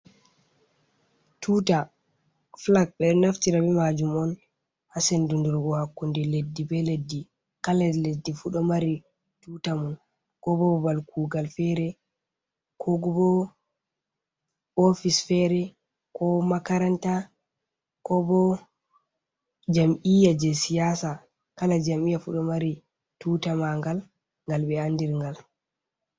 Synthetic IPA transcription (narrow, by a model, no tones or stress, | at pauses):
tʰuːta | flak̚bɛnaftiɾabɛmad͡ʒumɔn | hasɛndunduɾɡɔhakːundɛledːibɛledːi | kaladledːifuɗɔmaɾi | tutamun | kɔbɔbalkʰuːɡalfɛɾɛ | kʰɔɡubɔ | ofisfɛɾɛ | kɔmakaɾanta | kɔbɔ | d͡ʒamʔijad͡ʒɛsijasa | kalad͡ʒamijafuɗɔmaɾi | tutamaŋɡal | ŋɡalbɛandiɾŋɡal